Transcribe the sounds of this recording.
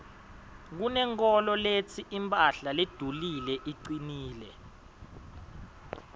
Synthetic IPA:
k̬unɛŋk̬ʰʼɔlɔlet͡sʰiʔimpʼaɬaled̥ʱulilɛʔiǀiniːlɛ

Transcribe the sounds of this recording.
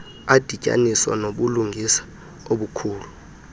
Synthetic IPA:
ad̥ʱi̥a̰niswa̰noɓuluŋɡʱisḁ | oɓukʰuːlu

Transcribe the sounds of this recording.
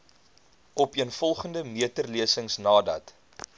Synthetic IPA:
ɔpiənfɔlˠχəndəmiətərliəsəŋsnɑːdɐ̰t

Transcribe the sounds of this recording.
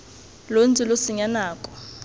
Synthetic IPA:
lond͡zʱʼilosiɲanaːkʼɔ̥

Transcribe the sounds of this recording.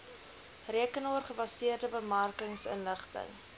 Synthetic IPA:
riəkənuərχəbɐsiərdəbəmɐrkəŋsə̰nləχtə̰ŋ

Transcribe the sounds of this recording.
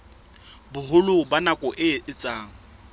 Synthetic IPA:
bʊɦʊlʊbanakʼɔʔɪɪt͡sʼaːŋ̩

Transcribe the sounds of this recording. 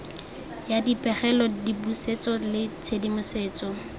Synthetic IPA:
jadipʼɛχɛlɔdibuset͡sɔlɪt͡sʰedimʊseːt͡sɔ

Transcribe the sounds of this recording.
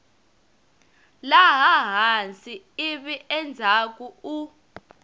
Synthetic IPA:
laɦaɦant͡sʼi | iɓiʔɛnd͡zʱak̬ʼuu

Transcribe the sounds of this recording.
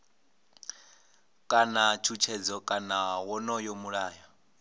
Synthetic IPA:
kʼanat͡ʃʰut͡ʃʰɛd͡zɔkʼanawɔnɔjomuɺaːja

